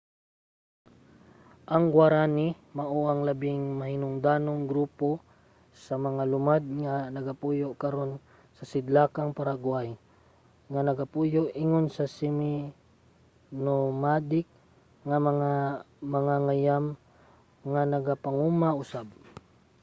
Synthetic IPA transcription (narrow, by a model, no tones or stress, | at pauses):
ʔɐŋɡwaɾaːni | mɐʔoʔɐŋlɐbɪŋmɐhɪnʊŋd̪aːnoŋɡɾuːpo̞ | sɐmɐŋalʊmad̪̚ŋanɐɡapuːjoʔkɐɾo̞n | sɐsɪd̪laːkaŋpaɾaɡʊaj | ŋanɐɡapujoʔʔɪŋonsɐsɪmɪ | nomaːd̪ɪk̚ | ŋɐmɐŋaː | ɐŋaŋajam | ŋanɐɡapɐŋumaʔʊsab̚